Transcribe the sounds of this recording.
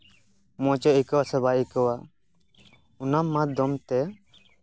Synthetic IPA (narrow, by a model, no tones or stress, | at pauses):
mɔ̃t͡ʃɔikɔwasɛbaʔikɔwa | unamːad̪ɔmt̪ɛ